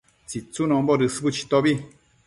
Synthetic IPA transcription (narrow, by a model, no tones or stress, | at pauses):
t͡sit͡sunɔ̃mbɔɾɨsɨbɨt͡ʃi̥t̪ɔbi